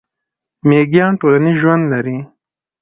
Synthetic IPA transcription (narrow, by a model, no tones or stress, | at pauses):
meɡjɑːnʈolaniʒwand̪laɾi